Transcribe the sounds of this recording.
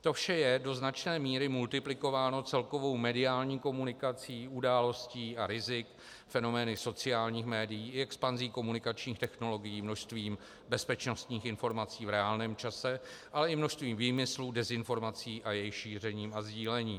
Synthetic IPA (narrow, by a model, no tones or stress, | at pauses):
t̪o̞fʃɛjɛdo̞znat͡ʃnɛːmiːɾɪmult̪ɪplɪko̞vaːno̞t͡sɛlko̞vo̞wmɛdɪaːlɲiːko̞munɪkat͡siːudaːlo̞sciːaɾɪzɪk | fɛno̞mɛːnɪso̞t͡sɪjaːlɲiːxmɛːdɪjiːɪɛkspanziːko̞munɪkat͡ʃɲiːxt̪ɛxno̞lo̞ɡɪjiːmno̞ʃst̪viːm | bɛspɛt͡ʃno̞st̪ɲiːxɪnfo̞ɾmat͡siːvɾɛaːlnɛːmt͡ʃasɛʔalɛɪmno̞ʃst̪viːmviːmɪsludɛzɪnfo̞ɾmat͡siːʔajɛjɪxʃiːr̝ɛɲiːmazɟiːlɛɲiː